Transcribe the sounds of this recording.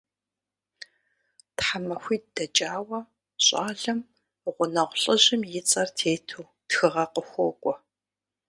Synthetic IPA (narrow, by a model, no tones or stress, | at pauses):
tħamɐxʷiːdd̥ɐt͡ʃʼaːwɐ | ɕʼaːɮɐm | ʁʷʊnɐʁʷɬʼəʑɪmjɪt͡sʼɐrtʰeːtʰuw | txɨʁɐqəxʷɔkʷʼɔ